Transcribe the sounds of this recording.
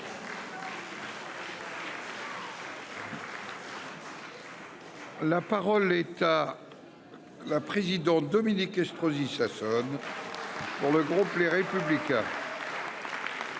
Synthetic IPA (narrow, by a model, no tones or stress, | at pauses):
lapaʁɔlɛt̪a | lapχezid̪ɑ̃t̪̚d̪ɔminikɛst̪χozisasɔn | puʁləɡʁupleʁepyblikʲɛ̰̃